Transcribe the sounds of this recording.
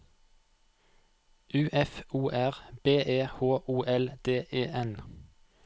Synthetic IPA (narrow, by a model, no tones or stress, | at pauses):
ʔʉːʔɛfuːʔæʁbeːʔeːhoːʔuːʔɛld̪̥eːʔeːʔɛn